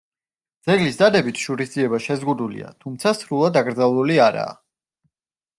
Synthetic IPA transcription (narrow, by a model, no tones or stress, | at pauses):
d̪zɛɡlisd̪ad̪ɛbit̪ʰʃuɾisd̪ziɛbaʃɛzʁud̪ulḭa̰t̪ʰumt̪sʰasɾulˠad̪aɡɾd̪zavlˠuliaɾa̰ː